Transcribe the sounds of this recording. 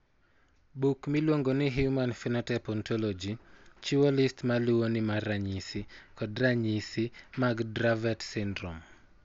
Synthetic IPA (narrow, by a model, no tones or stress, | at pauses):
bukmilwoŋɡonɪɦjumanfinɔtɛpɔntʰɔlɔd͡ʒit͡ʃiwɔlɪstmaluwonɪmaraɲisikɔdɾaɲisimaɡdɾavɛtsɪndɾɔ̰m